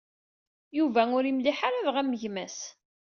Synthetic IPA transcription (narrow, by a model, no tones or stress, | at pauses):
juvæʊɾimlɪħaɾavʁæmːəʝmæs